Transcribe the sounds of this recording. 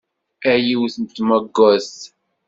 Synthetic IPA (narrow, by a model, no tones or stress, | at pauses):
æjiwθənt̪mæɡːæs